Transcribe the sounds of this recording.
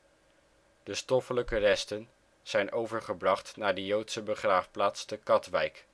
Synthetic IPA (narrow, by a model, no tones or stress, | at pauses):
d̥əstɔfələkərɛstən | z̥ɛjnʔowvəɹχəbrɑχtnaːɹdəjowtsəbəχraːfplaːtstəkɑtʋɛjk